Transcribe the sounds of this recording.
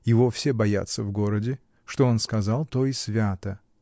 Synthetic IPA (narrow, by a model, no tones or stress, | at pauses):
jɪvo̞fsʲe̞bɐja̰t̪səvɡo̞ɾədʲɪ | ʂt̪o̞onskɐzɑlˠt̪o̞ɪsvʲat̪ə